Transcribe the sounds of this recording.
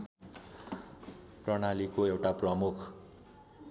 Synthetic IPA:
prʌɽ̃alikoewʈaprʌmukʰ

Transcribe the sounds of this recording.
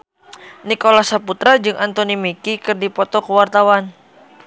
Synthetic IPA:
nikolasaput̪ɾad͡ʒɨŋʔant̪onimikikɨrdipɔt̪ɔkəwart̪awan

